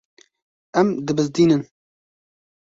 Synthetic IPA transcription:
ɛmd̪ɨbɨzd̪iːnɨn

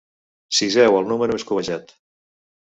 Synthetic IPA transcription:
sizɛwəlˠnuməɾueskuβəʒat̪

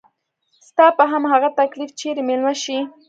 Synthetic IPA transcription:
st̪ɑpaɦamhaɣat̪aklift͡ʃeɾemelmaʃi

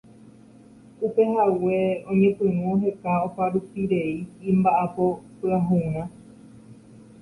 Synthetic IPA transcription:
upe̞ɦawe̞õɲẽ̞pɨ̃nũɦe̞kaopaɾupiɾe̞ĩːmbaʔapo̞pɨaɦũã

